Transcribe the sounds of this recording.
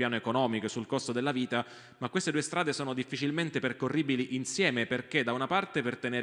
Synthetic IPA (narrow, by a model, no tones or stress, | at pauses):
jaːnoekonɔːmikosulkost̪od̪elːaviːt̪a | makwest̪ed̪uːest̪ɾaːd̪esoːnod̪ifːit͡ʃilment̪eperkorːiːbiliʔinsjɛːmeperk̟ed̪aunapart̪epert̪eneː